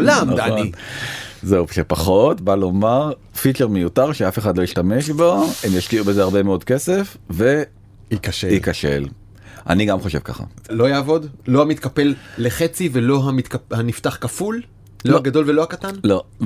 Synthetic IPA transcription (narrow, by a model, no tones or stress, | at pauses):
olamdaoi | zeuʃepaχotbalo̞maʁ | fit͡ʃeʁmejutaʁʃeafe̞χadlo̞jiʃtame̞ʃbo̞emjaʃtiubezeaʁbe̞meo̞d̚kese̞fve̞ | ikaʃeikaʃḛl | ʔa̰niɡamχo̞ʃe̞vka̰χa̰lo̞jaːvo̞d̪lo̞amit̪kape̞lːeχet͡sivelo̞ɦamit̪kahanift̪aχkaful | loaɡad̪o̞lvelo̞hakat̪anlo